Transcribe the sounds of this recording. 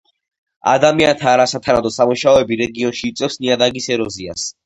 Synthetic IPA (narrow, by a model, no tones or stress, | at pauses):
a̰d̪amiant̪ʰaːɾasat̪ʰanad̪ɔsamuʃaɔɛbiɾɛɡiɔnʃiːt̪sʼɛfsniad̪aɡisɛɾɔzia̰s